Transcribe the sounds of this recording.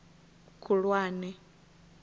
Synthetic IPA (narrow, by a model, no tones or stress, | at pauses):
kʰuɺwaːnɛ